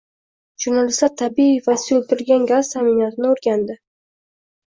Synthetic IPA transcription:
ʒuɾnalɪslat̪ʰːabivasɪot̪ʰɪɾɪlɡʲanɡʲazt̪ʰamɪnat̪ʰɪnɪoɾɡʲand̪ɪ

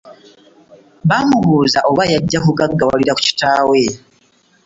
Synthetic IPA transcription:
βamuɣuːzaʔo̞βajaɟːakuɡaɡːawa̰liɾaku̥ci̥taːwe

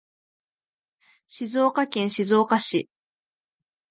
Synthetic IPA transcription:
ɕizoːkakẽɰ̃ɕizo̞ːkaɕi

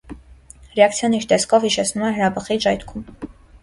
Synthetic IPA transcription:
rɛɑkt͡sʰjɑniɾt̪ɛskʰɔvhiʃɛt͡sʰnumɛɦəɾɑbəχid͡ʒɑjt̪kʰum

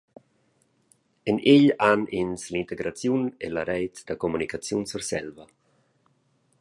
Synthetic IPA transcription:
enʔeʎanʔinslint̪eɡɾat͡sjunelaɾɛjt̪d̪̥akomunikat͡sjunsuɾsɛ̰lva

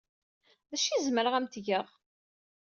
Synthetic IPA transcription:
ðæʃizməɾəʁæmt̪ʝəʁ

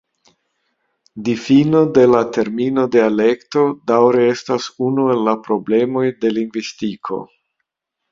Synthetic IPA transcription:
difino̞de̞late̞ɾmino̞de̞ale̞kto̞dawɾee̞stasunue̞lːapɾo̞ble̞mo̞jde̞liŋɡvistikʰo̞̰

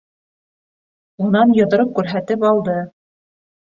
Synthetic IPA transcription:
unɑnjɤ̆ðɤ̆ɾɤp̚kʉɾɦæt̪ɘpɑlˠd̪ɤ

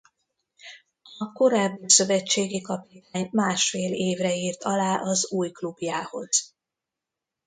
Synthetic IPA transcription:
ɒko̞ɾaːbːisø̞vɛt͡ʃːeːɡikɒpit̪aːɲmaːʃfeːleːvrɛiːrt̪ɒlaːʔɒzuːjklubjaːho̞̰z̥

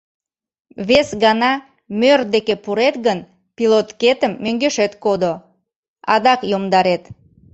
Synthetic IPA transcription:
βesɣɑnɑ | mørd̪ekepuɾet̪ɣən | pilot̪ket̪əmːøŋɡeʃet̪kod̪o | ɑd̪ɑkjomd̪ɑɾet̪

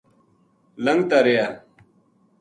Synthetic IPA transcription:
lɐŋɡt̪aɾeja

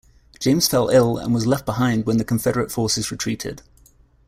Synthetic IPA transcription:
d̥ʒ̥ẽɪ̃mz̥fɛlˠɪlˠə̰̃nwɒzlɛft̚b̥ɪɦãɪ̃nd̚wə̃nðəkʰə̃ɱfɛɾəɹətfɔˑsɪzɹɪtʰɹ̥iˑtʰɪ̰d̥

